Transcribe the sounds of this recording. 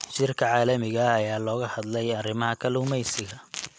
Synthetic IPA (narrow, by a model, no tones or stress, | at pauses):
ʃɪrkʰɐʕɑːlɐmɪɣɐːjaːlɔːɣɐhɐd̪lɛjɐrɪmɐhɐkʰɐlʊʊmɛjsɪɣɐ